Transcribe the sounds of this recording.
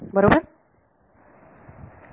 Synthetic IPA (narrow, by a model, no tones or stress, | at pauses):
bəɾobaɾ